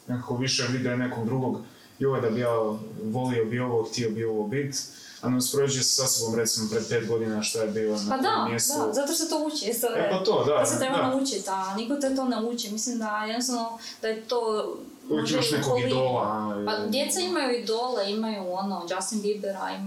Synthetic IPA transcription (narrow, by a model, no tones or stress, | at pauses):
nekakoʋiʃeʋid̪ɛonekoɡd̪ɾuɡo̞ɡ | ioʋed̪abijaːʋo̞liobioʋoxt̪iobioʋobit̪ | anospɾod͡ʑujessasobomɾesimopɾed̪̚pe̞ːt̪ɡo̞d̪inaʃt̪ajebiːlonaad̪amjessauzat̪oʃset̪out͡ɕist̪oepat̪od̪aoset̪ɾeb̪anaut͡ɕit̪anikot̪et̪o̞neut͡ɕimislimd̪ajɛd̪nost̪aʋno | d̪̥ajet̪oː | imaʃnekolɡioːlapad̪jet̪saimajuid̪o̞ːleimajuonod͡ʒast̪inɡ̪ibeɾa̰ḭ